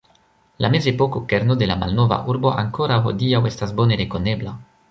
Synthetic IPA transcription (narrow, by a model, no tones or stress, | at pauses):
lamezepokokeɾnod̪elama̰lnova̰ʔuɾbo̞ʔaŋkoɾawɦo̰diawestasboneɾekonebla